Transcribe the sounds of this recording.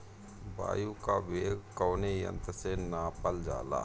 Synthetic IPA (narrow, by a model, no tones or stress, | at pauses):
ba̰ːjukaʋeːɡkɔːnejə̰̃nt̪senaːpəld͡ʒa̰ːla̰ː